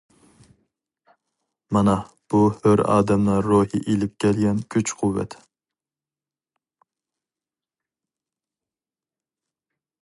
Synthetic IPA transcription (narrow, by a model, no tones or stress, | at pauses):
mɑnɑ | b̥uhøɾɑ̰ːd̪ɛmnɨŋɾuhiʔelɪp̚kʲʰɛlɡʲɛnkʲʰyt͡ʃqʰuwːɛ̰t̪ʰ